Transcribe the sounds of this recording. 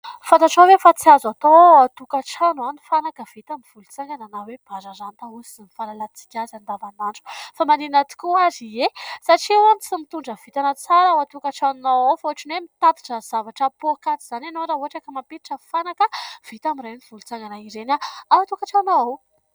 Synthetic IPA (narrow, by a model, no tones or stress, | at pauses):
fant̪aʈ͡ʂavefat͡siazat̪oat̪ukaʈ͡ʂanwanifanakəv̥it̪amiv̥ulut͡saŋɡananaweb̥aɾaɾant̪ausizinifalalat͡si̥kʲazand̪avanaɳɖ͡ʐu̥famaninat̪i̥kuaziesaʈ͡ʂiewanit͡simit̪uɳɖ͡ʐəv̥it̪anət͡saɾawat̪ukaʈ͡ʂanunaawfauaʈ͡ʂinwemit̪at̪i̥ʈ͡ʂəz̥avaʈ͡ʂəpuakat͡siz̥ananoaɾauaʈ͡ʂəkəmampit̪iʈ͡ʂəfanakəv̥it̪amiɾaniv̥ulut͡saŋɡanaiɾenaawat̪ukaʈ͡ʂanaaw